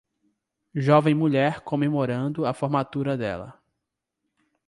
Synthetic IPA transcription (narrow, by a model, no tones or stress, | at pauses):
ʒɔvẽj̃muʎɛɾkõmemoɾɐ̃nd̪ʊɐfoɾmat̪uɾɐd̪ɛ̰lɐ̰